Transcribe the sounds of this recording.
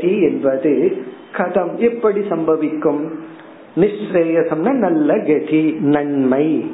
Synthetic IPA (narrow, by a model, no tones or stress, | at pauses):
iɛnbɐðɯkʰɐt̪ɐmɛpːɐɽisɐmbʱɐʋɪkːɯm | nɪʂɾeːjɐsɐmnɐnɐlːɐɡeʈʰinɐɳmɐɪ